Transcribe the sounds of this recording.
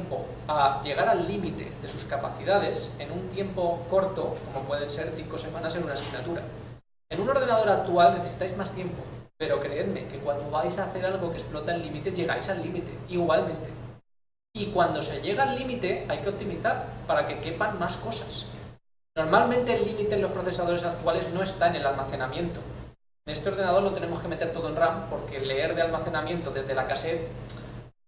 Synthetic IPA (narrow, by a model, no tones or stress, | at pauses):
mpo̞̰ | aʝe̞ɣ̞aɾalːimit̪e̞̰ðe̞suskapa̰θiðaðe̞se̞nũnt̪je̞mpo̞ko̞ɾt̪o̞komo̞pwe̞ðe̞nse̞ɾθiŋko̞se̞mãnaseɾunasiɣnat̪uɾa̰ | e̞nũno̞ɾð̞e̞nað̞o̞ɾak̚t̪ualne̞θe̞si̥t̪ajzmast̪je̞mpo̞̰pe̞ɾo̞kɾe̞e̞ðme̞̰ke̞kwand̪o̞βajsaːθe̞ɾalɣo̞ke̞splo̞t̪aelːimit̪e̞ʝe̞ɣ̞a̰jsalːimit̪e̞̰iɣwalmẽ̞nt̪e̞ | ikwand̪o̞se̞ʎe̞ɣ̞aalːimit̪e̞ajke̞o̞p̚t̪imiθaɾpaɾake̞ke̞panmasko̞sḁs | no̞ɾmalmẽnt̪e̞ːlːimit̪e̞lo̞spɾoθe̞saðo̞ɾe̞sak̚t̪uale̞zno̞e̞st̪aene̞lalmaθe̞namjẽ̞nt̪o | ene̞st̪eo̞ɾð̞e̞naðolo̞t̪e̞ne̞mo̞ske̞me̞t̪eɾt̪o̞ðonrampo̞ɾke̞le̞e̞ɾðealmaθe̞namjent̪oðe̞zðe̞lakase̞t̪̚